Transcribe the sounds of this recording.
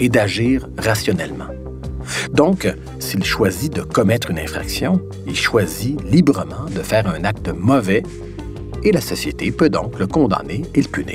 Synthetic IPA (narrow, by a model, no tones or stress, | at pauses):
ed̪aʒiːʁːasjɔnɛlmɑ̰̃ | d̪ɔ̃k | silʃwazid̪əkɔmɛt̪χynɛ̰̃fχa̰ksjɔ̃ | ilʃwazilibʁəmɑ̃d̪əfɛːʁœ̃nak̚t̪əmɔvɛ | elasɔsjet̪epød̪ɔ̰̃kləkɔ̃d̪a̰neelpynḛ